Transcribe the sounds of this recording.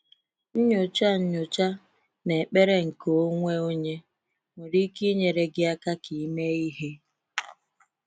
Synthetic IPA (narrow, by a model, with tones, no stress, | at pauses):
n̩˦ɲʊ˨t͡ʃa˦n̩˦ɲʊ˨t͡ʃa˦ | ne˨k͡pe˦ɾe˦ŋ̩˨ko˨˦ŋʷe˦o˦ɲe˦ | ŋʊ˨ɾi˦ki˦ɲe˨ɾe˦ɡɪ˦a˦ka˦ki˨˦me˦i˦ɦe˦